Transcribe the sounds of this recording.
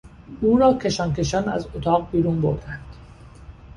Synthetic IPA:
ʔuːɾɒːcʰe̞ʃɒːnke̞ʃɒnæ̰zot̪ʰɒːɣbiːɾuːnbo̞ɾd̪ænd̪̥

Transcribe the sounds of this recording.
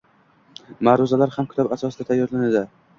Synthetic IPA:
maɾʊzalaɾhamkʰʊ̥t̪ʰabasɒsɪd̪at̪ʰajːɒɾlanad̪ɪ

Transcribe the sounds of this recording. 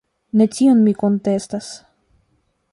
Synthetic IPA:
ne̞tionmiko̞nte̞stas

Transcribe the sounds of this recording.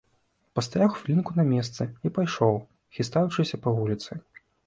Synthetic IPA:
pɐst̪aɾaxfʲlʲinkunɐmʲɛst̪sɨipajʂɔw | xʲist̪ajut͡ʂɨsʲɐpɐvulʲit̪sɨ

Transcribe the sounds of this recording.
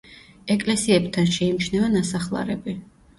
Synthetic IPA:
ɛkʼlɛsiɛbt̪ʰanʃɛimt͡ʃʰnɛvanasaχlˠa̰ɾɛbi

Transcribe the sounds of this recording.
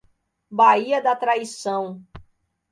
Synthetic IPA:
baiɐd̪ɐt̪ɾaisɐ̃w̃

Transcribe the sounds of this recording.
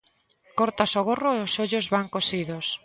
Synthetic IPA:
koɾt̪asoɣoroeosoʎozβaŋkosiðos

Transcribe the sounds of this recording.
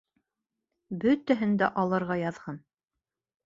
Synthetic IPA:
bɵt̪æɦɘnd̪æʔɑlˠɤ̆ɾʁɑjɑðʁɑn

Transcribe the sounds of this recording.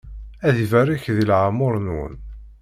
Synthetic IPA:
æðivæɾiçðilʕamʊɾˤnwə̰n

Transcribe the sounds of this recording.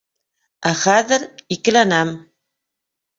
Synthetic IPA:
æχæðɘ̆ɾikɘ̆lænæm

